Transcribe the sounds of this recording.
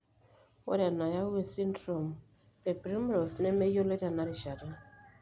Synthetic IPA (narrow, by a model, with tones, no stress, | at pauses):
wɔ̰˦ɾa˨na˨ja˦we˦si˦n˦dɾo˨m | e˨pɾi˦m˦ɾo˨si˦ne˦me˦jo˦le˦ta˨na˨˦ɾi˨ʃa˨ɾa˦